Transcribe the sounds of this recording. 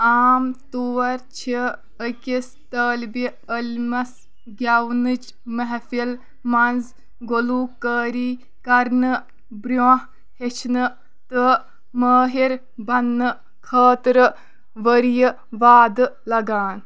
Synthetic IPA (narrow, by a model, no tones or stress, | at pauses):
aːmt̪uʋɐɾt͡ʃʰi | əkʲis | t̪əːlbi | əlʲmɐs | ɡʲawnɨt͡ʃ | mɐɦfil | mɐnz | ɡoluːkəːɾiː | kɐɾnɨ | bɾoːɦ | het͡ʃʰnɨ | t̪ɨ | məːɦiɾ | bɐnːɨ | kʰəːt̪ɾə | ʋəɾjə | ʋaːd̪ɨlɐɡaːn